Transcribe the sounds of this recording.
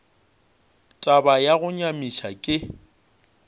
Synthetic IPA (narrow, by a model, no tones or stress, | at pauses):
tʼabajaɣʊɲamiʃakʼɪ